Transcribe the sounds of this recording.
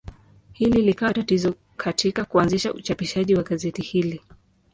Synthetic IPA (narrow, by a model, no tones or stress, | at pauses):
hililikawatatizɔ | kʰatʰikakuanziʃaʔut͡ʃapiʃaʄiwaɠazɛtihili